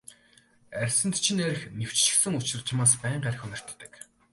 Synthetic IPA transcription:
ærʲsɘ̆nt̪t͡ɕʰinæɾʲɘ̆xnew̥t͡ɕt͡ɕɪ̥̆xsɘ̆ŋut͡ɕɪ̆rt͡ɕʰamaːspæːɴɢæɾʲɪ̆xʊnɪ̆r̥t̪ːə̆k

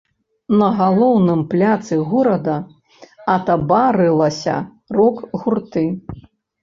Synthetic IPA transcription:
nɐɣalˠɔwnɨmplʲat̪sɨɣɔɾɐd̪ɐ | ɐt̪ɐbaɾɨlˠɐsʲɐ̰ | rɔkɣurt̪ɨ

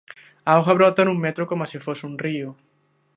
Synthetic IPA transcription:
aoɣaβ̞ɾɔt̪anũŋmet̪ɾokomasifosunrio

